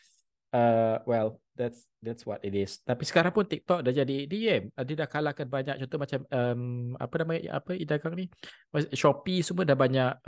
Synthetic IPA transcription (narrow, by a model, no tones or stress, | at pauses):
əwɛl | dɛts | dɛtswɔ̰titɪst̪apisə̥kaɾaŋpʊnt̪ik̚t̪ɔk̚dahd͡ʒadiediɛmadidahkalakanbaɲak̚t͡ʃɔnt̪ɔhmat͡ʃaməma̰pənama̰ʔa̰pəidaɡaŋnimasʃɔpisumədahbaɲaʔ̚